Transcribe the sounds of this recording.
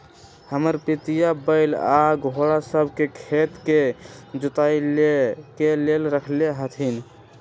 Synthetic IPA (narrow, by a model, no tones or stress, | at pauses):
həməɾpit̪ijabəɪlaɡʱoɽasəbʱkekʰet̪ked͡ʒut̪ailekelelɾəkʰleɦət̪ʰin